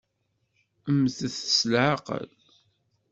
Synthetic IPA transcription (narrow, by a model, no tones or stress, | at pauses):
əmθəθə̥slʕaqə̰l